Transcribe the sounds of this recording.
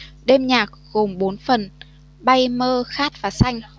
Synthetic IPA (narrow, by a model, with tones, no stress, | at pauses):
ɗe˧mɲaː˨˩k̚ɣo˨˩mɓo˨˦nfə˨˩n | ɓa˧jməː˧xaː˦˥t̚v̥aː˨˩sa˧jŋ̟